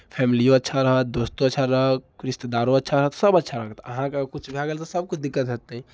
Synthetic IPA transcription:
pʰɛmilijõətːʃʰaɾəɦət̪̚d̪ost̪oətːʃʰaɾəɦəkkɾist̪ed̪aɾõətːʃʰaɾəɦət̪səbətːʃʰaɾəɦt̪ə̰ɦãkekut͡ʃʰbʱiaɡelt̪ɔsəb̚kud̪ikːət̪ɦət̪ːɛ

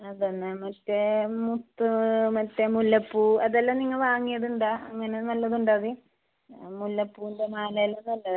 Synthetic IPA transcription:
ɐðonːɨmɐtːemut̪ːɨmɐtːemulːɐpːuɐðɐlːaniŋːɐɭʋaːŋːijɐðuɳɖaːɐŋːɐne̞nɐlːɐðuɳɖaɐði | mulːɐpːuːindemaːlɐjɐlːɐmnɐlːɐðɨ

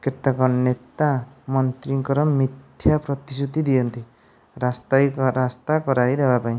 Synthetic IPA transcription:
ket̪akɔnet̪amɔnt̪ɾiŋkɔɾɔmit̪ʰjapɾɔt̪isut̪id̪iɔnt̪i | ɾast̪ajɾast̪akɔɾajd̪ebapaĩ

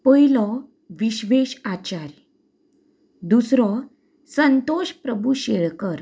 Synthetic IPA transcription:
pəilɔ | ʋiɕʋeɕat͡ɕaɾ | d̪usɾɔ | sənt̪oɕpɾəbʱuɕeɭkəɾ

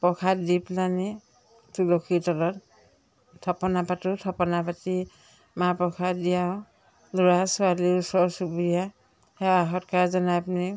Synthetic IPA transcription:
pɔkʰadiplani | tulokʰitɔlɔt | tʰːɔpɔnapatʊtʰɔpɔnapati | mapɹɔkʰadijaʊ | luɹasualiusɔɹsubija | hɛaɦɔtkaɹzɔnaapuni

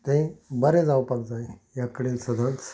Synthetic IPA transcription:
t̪ẽbəɾẽd͡zawpak̚d͡zaejakəɽelsəd̪ʱəns

